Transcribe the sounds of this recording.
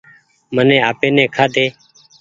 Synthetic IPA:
mənẽːaːpeːnẽːkʰaːd̪eː

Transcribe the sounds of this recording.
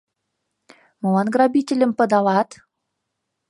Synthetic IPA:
mɤlɑnɡrɑbʲitʲelʲɘ̆mpɤ̆d̪ɑlɑt̪

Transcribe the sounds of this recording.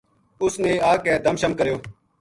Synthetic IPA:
ʊsneːaːkɛːd̪əmʃəmkəɾjoː

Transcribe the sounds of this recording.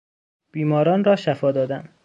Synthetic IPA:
b̥iːmɒːɾɒːnrɒːʃæfɒːd̪ɒːd̪æm

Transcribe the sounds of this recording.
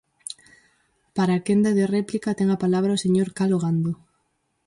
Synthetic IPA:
paɾaːkend̪aðerɛplikat̪eŋapalaβ̞ɾaoseɲoɾkaloɣand̪o

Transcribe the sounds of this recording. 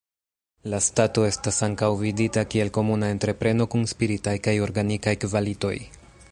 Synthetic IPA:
lastato̞e̞stasaŋkawviditakie̞lko̞munae̞ntɾe̞pɾe̞no̞kunspiɾitajkajo̞ɾɡanikajkvalito̞̰j

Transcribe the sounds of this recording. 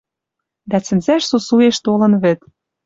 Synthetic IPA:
d̪æt͡sɘ̆nzæʃsusueʃt̪olɤ̆nβɘ̆t̪̚

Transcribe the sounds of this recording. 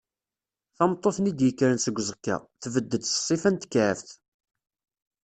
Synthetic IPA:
θɑmt̪ˤːoθnid̪jəkːɾənsəɡʷːzˤəkːa̰θvəd̪ːəd̪θə̥sˤːifænt̪ə̥kːʕəfθ

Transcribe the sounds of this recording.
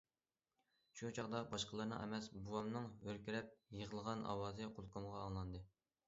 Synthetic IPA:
ʃut͡ʃʰɑʁd̪ɑbɑʃqəlˠɨɾnɨ̰ʔɛ̰mɛsbuwɑmnɨŋøɾkʲiɾɛp̚jəʁəlˠʁɑnʔɑ̰wɑːzɨqʰolˠqʰəmʁɑːŋlˠɑnd̪ɨ

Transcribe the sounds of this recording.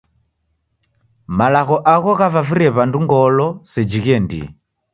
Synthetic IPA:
malaɣɔʔaɣɔɣavafiɾɛβanduŋɡɔlɔsɛd͡ʒiɣɛndḭ

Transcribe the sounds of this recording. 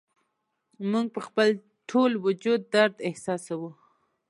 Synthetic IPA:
muŋɡ̚pəxpəl | ʈʰolwʊd͡ʒud̪ːaɾd̪ɪhsɑsawu

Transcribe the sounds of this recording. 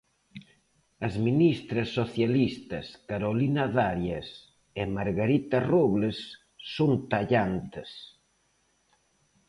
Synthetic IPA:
ɐzminist̪ɾɐsːoθjalist̪ɐskaɾolinaðaɾjas | emaɾɣaɾit̪ɐruβlesː | ont̪aʎant̪ɪs

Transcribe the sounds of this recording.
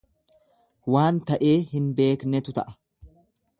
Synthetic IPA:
waːnt̪ɐʔe̞ːhɪnbe̞ːknɛt̪ʊt̪ɐʔɐ̥

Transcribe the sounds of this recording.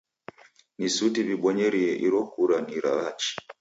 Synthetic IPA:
nisutiβiɓɔɲɛɾiɛʔiɾɔkuɾaniɾa̰at͡ʃi̥

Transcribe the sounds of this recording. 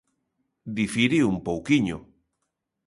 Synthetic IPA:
d̪ifiɾiumpowkiɲo̰

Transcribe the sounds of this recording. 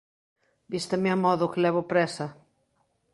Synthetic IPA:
bist̪ameamɔðʊkɪlɛβ̞ʊpɾɛsɐ

